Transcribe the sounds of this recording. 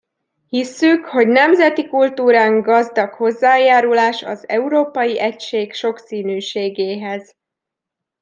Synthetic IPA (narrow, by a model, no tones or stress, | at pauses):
hisːykho̞ɟnɛmzɛt̪ikult̪uːɾaːŋɡɒzd̪ɒkho̞zːaːjaːɾulaːʃɒ̰zɛuɾoːpɒjiʔɛcʃeːɡʃo̞ksiːnyːʃeːɡeːɦɛz̥